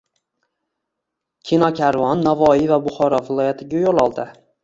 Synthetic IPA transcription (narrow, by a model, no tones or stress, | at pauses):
kʲʰinɒkʲʰaɾvɒnːavɒivabʊχɒɾɒvɪlˠɒjat̪ʰɪɡʲajolˠɒlˠd̪ɪ